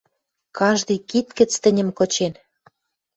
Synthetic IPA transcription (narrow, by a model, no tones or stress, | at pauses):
kɑʒd̪ɤjkit̪kə̆t͡st̪ə̆nʲə̆mkot͡ɕen